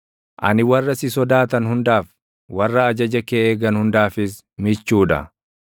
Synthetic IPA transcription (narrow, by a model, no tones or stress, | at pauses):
ʔɐ̰nɪwɐrːɐsɪsɔd̪aːt̪ɐnhʊnd̪aːf | wɐrːɐːd͡ʒɐd͡ʒɐkeːeːɡɐnhʊnd̪aːfɪs | mɪt͡ʃːuːᶑɐ̰